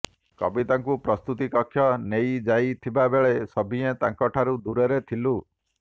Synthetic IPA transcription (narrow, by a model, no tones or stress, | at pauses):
kɔ̰bit̪aŋkupɾɔst̪ut̪ikɔkʰːjɔnejd͡ʒajt̪ʰibabeɭesɔbʱiet̪aŋkɔʈʰaɾud̪uɾeɾet̪ʰilu